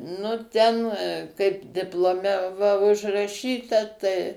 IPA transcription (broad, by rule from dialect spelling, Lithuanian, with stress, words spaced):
nʊ ˈtʲɛn kɐɪp dʲɪplˠoːˈmʲɛ ʋɐ ʊʒrɐˈʃʲiːtɐ tɐɪ